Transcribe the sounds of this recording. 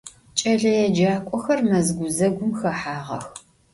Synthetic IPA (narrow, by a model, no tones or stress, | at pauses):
t͡ʃʼɐɮɐjɛd͡ʒaːkʷʼɔxɐrmɐzɡʷʊzɐɡʷʊmxɐħaːʁɐ̰x